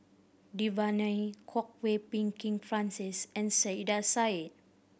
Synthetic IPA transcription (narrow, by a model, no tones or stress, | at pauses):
divanajkʰɔk̚wepĩŋkĩŋfɹãnsisɛ̃nseidasait̚